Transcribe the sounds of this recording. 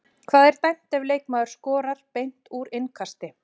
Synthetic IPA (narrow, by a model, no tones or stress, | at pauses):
kʰvaːðɛɾ̥t̪ajm̥t̪ɛvleːjkmaːðʏɾ̥skɔːɾaɾ̥pejn̥t̪uɾɪnkʰast̪ɪ